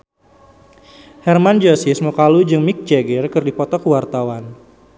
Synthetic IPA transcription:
hɛrmand͡ʒɔsismukalud͡ʒɨŋmɪk̚t͡ʃɛɡərkɨrdipɔt̪ɔkuwart̪awan

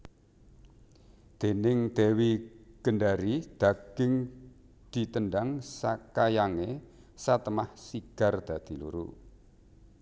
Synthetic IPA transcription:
d̪̥e̤nɪŋd̪̥ewiɡ̥ənɖaɾid̪̥a̤ɡ̥ɪŋ | d̪̥i̤t̪ənɖaŋsakajaŋe | sat̪əmahsiɡ̥a̤rd̪̥a̤d̪̥i̤lṵɾṵ

